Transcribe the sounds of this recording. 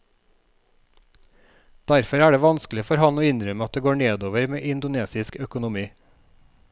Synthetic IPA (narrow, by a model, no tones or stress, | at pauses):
d̪̥æɾfɔɾæːɖeːʋɑnsklɪfɔɾhɑnoːɪnɾœmɑt̪̚d̪eːɡoːɳeːd̪oːʋəɾmeːʔɪnd̪ʊneːsɪskœkʊnʊmiː